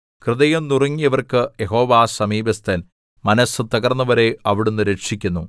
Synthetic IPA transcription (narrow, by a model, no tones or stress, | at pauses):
krɨðɐjɐmnurɐŋːijɐʋɐrkɨjeɦo̞ːʋaːsɐmiːbɐst̪ɐn | mɐnɐsɨt̪ɐɡɐrnːɐʋɐɾe̞ɐʋiɽunːɨɾeʈʂikʲːunːu